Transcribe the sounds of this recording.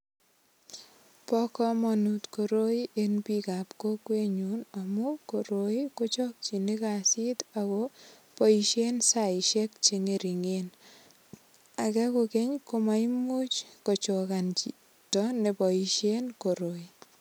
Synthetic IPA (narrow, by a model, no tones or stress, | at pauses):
pɔkɔmɔnutkoɾoiʔenpikapkokweɲunamukoɾoikot͡ʃɔk̚t͡ʃinikasitakɔ | pɔiʃensaiʃek̚t͡ʃeŋeɾiŋen | akɛkokeɲkomaimot͡ʃkɔt͡ʃɔkant͡ʃi | tɔnepɔiʃenkoɾoi